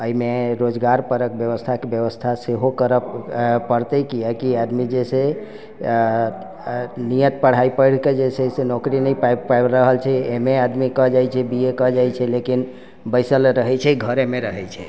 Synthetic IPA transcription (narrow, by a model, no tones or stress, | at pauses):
əimeɾod͡ʒɡaɾpəɾəkbjəʋəst̪ʰakebjəʋəst̪ʰaseɦokəɾəppəɽt̪əkijakiad̪mid͡ʒese | nijət̪̚pəɽ̤aipəɪɽ̤ked͡ʒesesenɔkɾinəjpapajɾəɦəlt͡ʃʰɛemead̪mikɔɦd͡ʒajt͡ʃʰɛbiekɔɦd͡ʒajt͡ʃʰɛlekin | bəɪsəlɾəɦɛt͡ʃʰɛɡʱəɾemeɾəɦɛt͡ʃʰɛ̰